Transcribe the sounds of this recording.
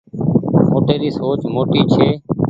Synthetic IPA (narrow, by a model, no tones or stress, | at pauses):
moːʈeːɾiːsoːt͡ʃmoːʈiːt͡ʃʰeː